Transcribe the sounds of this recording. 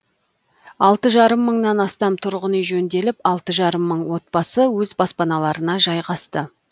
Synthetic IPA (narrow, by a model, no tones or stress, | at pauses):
ɑlˠt̪əʒɑɾəmːəɴnɑnɑst̪ɑmt̪ʰʊɾʁənəjʒɵnd̪e̞lɪpɑlˠt̪əʒɑɾəmːəɴwo̞t̪̚bɑsəwɵzbɑspɑnɑlˠɑɾənɑʒɑjʁɑst̪ə